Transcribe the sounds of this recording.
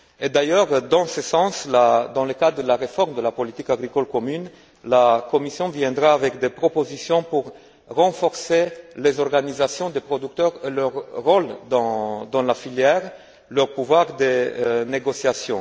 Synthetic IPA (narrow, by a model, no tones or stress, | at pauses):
ed̪ajœʁd̪ɑ̃səsɑ̃slad̪ɑ̃ləkad̪d̪əlaʁefɔʁmd̪əlapɔlit̪ikaɡʁikɔlkɔmyn | lakɔmisjɔ̃vjɛ̃d̪ʁaːvɛkd̪epχɔpozisjɔ̃puʁː | ɑ̃fɔʁselezɔʁɡanizasjɔ̃d̪epχɔd̪yk̚t̪œʁelœʁːɔld̪ɑ̃d̪ɑ̃lafiljɛʁ | lœʁpuvwaʁd̪eneɡɔsjasjɔ̃